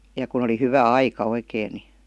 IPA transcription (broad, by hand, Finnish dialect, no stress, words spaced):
jɑ kun̞ oli hyʋæ ɑikɑ oikeˑĭ ni